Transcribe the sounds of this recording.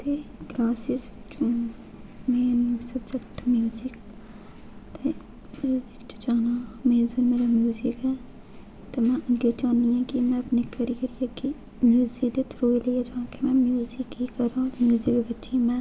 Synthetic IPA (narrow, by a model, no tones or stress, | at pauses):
t̪eklaːsɪs | t͡ʃũ | meːsɐbsɐkt̪ʰmjuːzɪk | t̪e | mjuːzɪkt͡ʃɐ̥t͡ʃaːnameːzɐnmeːɾamjuːzɪkɦɛː | t̪emɛ̃ʔɐɡet͡ʃaːniɛ̃kimɛ̃ɐpnekɐɾijəɾijaki | mjuːzikd̪et̪ʰɾoːileːjad͡ʒaːkemɛ̃mjuːzɪkɦikɐɾãɔɾmjuːzɪkbɐtːʃimɛ̃